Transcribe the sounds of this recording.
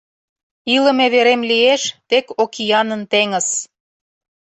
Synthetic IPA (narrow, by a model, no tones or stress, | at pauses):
ilə̆meβeɾemlieʃt̪ekokijɑnənt̪eŋə̆s